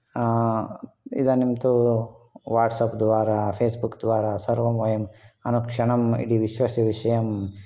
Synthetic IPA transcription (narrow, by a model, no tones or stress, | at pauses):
ḭd̪ɐnimt̪u | ʋaːʈsɐpd̪ʋaːɾapʰeːsbukd̪ʋaːɾasɐɾʋɐmʋɐjɐmɐnukʂɐɳɐmḭɽiʋiʃʋɐsiʋiʂɐjɐm